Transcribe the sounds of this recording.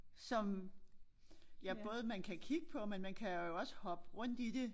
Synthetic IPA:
sɒ̽m | jæb̥ɔ̽ːðˠmænkʰækʰiɡ̥əpʰɒ̽menmænkʰæjo̝ɒ̽sə̥hɒ̽b̥ʁɔ̽n̰d̥id̥e̝

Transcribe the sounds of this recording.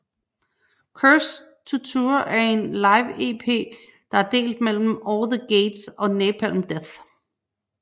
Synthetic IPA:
kʰøs | t͡sʰut͡sʰuɐʔæɐe̝nlɑ̈ɪʋe̝pʰe̝̰ː | d̥ɑ̈æɐd̥e̝̰ːld̥mel̰m̩ɒːlðəɡ̥eːd̥sɒ̽neːpʰæl̰m̩d̥eθ

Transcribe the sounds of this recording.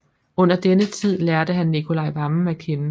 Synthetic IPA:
ɔ̽n̰ɐd̥enət͡sʰið̞̰ˠlæɐɾ̥əɦænːikʰo̝lɑ̈ɪʋɑ̈mekʰenə

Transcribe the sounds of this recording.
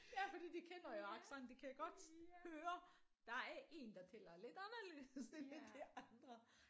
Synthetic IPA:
jæfɒd̥ḭːd̥ikʰenɐjoɑ̈ɡ̥sɑnd̥ekʰæjaɡ̥ɒ̽d̥høːɐ | d̥ɑ̈æɐʔe̝̰ːnd̥ɑ̈t͡sʰelɐle̝d̥ænɐlø̰ːðsemed̥iɑnd̥ʁɐ

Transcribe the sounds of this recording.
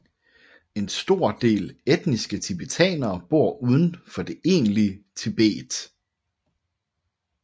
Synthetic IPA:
e̝nsd̥o̝ɐ̰d̥e̝̰ːled̥nisɡ̥ət͡sʰib̥et͡sʰɛ̰ːnɐːb̥o̝ɐ̰uð̞ˠən̩fɒ̽d̥e̝ʔe̝̰ːnliət͡sʰeb̥e̝̰ːd̥

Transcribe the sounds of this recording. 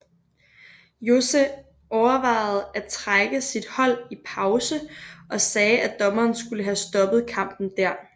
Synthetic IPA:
jo̝se | ɒʊɐʋɑ̈ɪð̩ˠæt͡sʰʁaɡ̥əsid̥hɒ̽l̰ipʰɑ̈ʊsəʔɒ̽sɛːæd̥ɒ̽mɐːnsɡ̥uləɦæsd̥ɒ̽b̥ð̞̩ˠkʰɑ̈m̰b̥n̩d̥æɐ̰

